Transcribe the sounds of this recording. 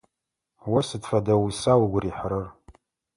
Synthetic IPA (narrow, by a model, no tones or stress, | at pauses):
wasɨdfadawisawɡʷriħrɨr